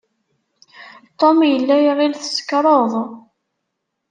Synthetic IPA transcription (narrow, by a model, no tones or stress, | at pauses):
t̪ˤːomjəlːæjiʁilθə̥sə̥kɾˤoðˤ